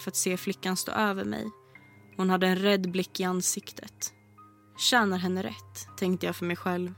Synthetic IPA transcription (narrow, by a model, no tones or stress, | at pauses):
fœɾat̪seːflɪkːanst̪o̰ːʔøːvəɾmɛ̰j | hʊnhad̪ːəɛnɾɛd̪ːblɪkːɪansɪkt̪ʰət̪ | ɕæːnaɾɦɛnːəɾɛ̰t̪ʰːɛŋk̚t̪əjɑːfœɾmɛjɧɛlv